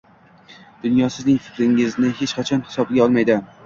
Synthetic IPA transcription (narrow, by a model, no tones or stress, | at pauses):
d̪̥ʊnjɒsɪznɪŋfɪ̥kʲɾɪŋɪznɪhe̞t͡ʃqʰat͡ʃʰɒnhɪsɒbɡʲaɒlˠmajd̪ɪ